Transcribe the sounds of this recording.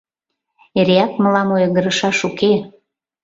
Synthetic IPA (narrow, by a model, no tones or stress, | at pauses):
eɾeɑkməlɑmojɣə̆ɾə̆ʃɑʃuke